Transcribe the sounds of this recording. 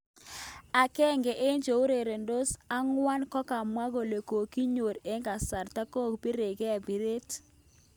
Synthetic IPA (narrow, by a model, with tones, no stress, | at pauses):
a˨kɛ˦˨ŋɡe˨ʔe˦nd͡ʒo˨u˦ɾe˨ɾe˨ndo˦sa˦ŋwa˦nkɔ˦ka˨mwa˦ɡo˨le˨ko˨ki˦ɲo˨ɾe˦ŋɡa˨sa˨ɾta˦ko˦˨kbi˦ɾe˨ɡe˦a˨bi˨ɾe˦t